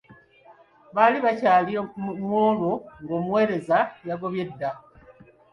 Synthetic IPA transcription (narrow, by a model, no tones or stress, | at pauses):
βaliβacaːlimwoːloŋɡo̞ːmwe̞ːɾe̞zajaɡo̞βje̞dːa